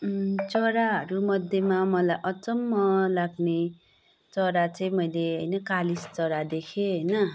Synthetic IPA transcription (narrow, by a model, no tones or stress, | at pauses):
t͡sʌɾaɦʌɾumʌd̪ʱjʌmamʌlajʔʌt͡sʌmːʌlaɡne | t͡sʌɾat͡sʌĩmʌjleɦʌjnʌkalist͡sʌɾad̪ekʰeɦʌjnʌ